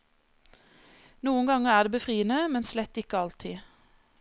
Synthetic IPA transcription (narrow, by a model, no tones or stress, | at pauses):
nuːənɡɑŋəʁæːdeːbəfʁiːənəmɛnslɛt̪ːɪkəɑlt̪ʰɪ